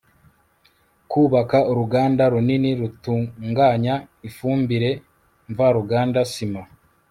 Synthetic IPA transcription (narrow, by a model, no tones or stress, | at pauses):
kuːβakauɾuɡaːndaɾuniniɾutuːŋɡaːɲa | ifuːmbiɾe̞ | ɱvaɾuɡaːndasima